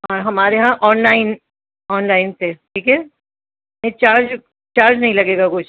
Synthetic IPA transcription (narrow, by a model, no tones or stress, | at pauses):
ɦaːɦɐmaːɾeɦãʔɔːnlaːɪn | ɔːnlaːɪnt̪ʰeʈʰiːkɛː | mɛĩt͡ʃaːɾd͡ʒ | t͡ʃaːɾd͡ʒnɐɦĩlɐɡeːɡakʊt͡ʃʰ